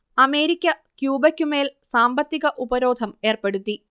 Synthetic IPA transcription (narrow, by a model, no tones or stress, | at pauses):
ɐme̞ːɾikʲːɐkjuːbɐkʲːume̞ːlsaːmbɐt̪ːiɣɐʔubɐɾo̞ːd̪ʱɐme̞ːrpe̞ɽut̪ːi